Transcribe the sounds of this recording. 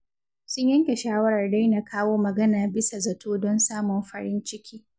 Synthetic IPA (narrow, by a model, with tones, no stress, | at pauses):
sʊ˦ɲjɐ˦ŋkʲe˨ʃaː˦wɐ˦ɽɐ˨rda˦jna˨kʰaː˦woː˦mɐ˨ɡɐ˦naː˨bɪ˦sa˨zɐ˨tʰoː˦dɔ˦nsaː˦mɔ˨mɸɐ˦ɽɪ˦nt͡ʃɪ˦kʲiː˦